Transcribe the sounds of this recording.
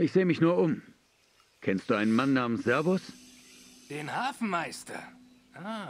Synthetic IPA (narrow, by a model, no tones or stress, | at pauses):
ʔɪçz̥eːəmɪçnuːɐʔʊm | kʰɛnstd̥uːʔaɪnənmanːaːmənsz̥ɛɐvʊs | d̥eːnhaːfn̩maɪstɐ̰ | ʔaː